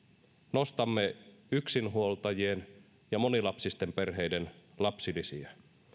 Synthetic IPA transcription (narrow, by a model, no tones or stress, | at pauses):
no̞st̪ɑmːe̞yksinɦuolt̪ɑjie̞n | jɑmo̞nilɑpsist̪e̞mpe̞rɦe̞jde̞nlɑpsilisiæ